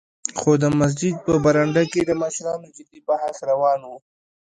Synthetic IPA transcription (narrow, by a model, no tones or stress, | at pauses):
xod̪əmas̬d͡ʒɪd̪̚pəbaɾaɳɖaked̪əmaʃɾɑnod͡ʒɪd̪ibaɦasɾawɑnwu